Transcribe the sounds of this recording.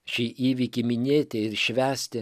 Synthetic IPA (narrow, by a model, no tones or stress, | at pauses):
ʃʲiʔiːʋʲikʲimʲɪnʲeːt̪ʲɛɪɾʃʲʋʲæːsʲt̪ʲɪ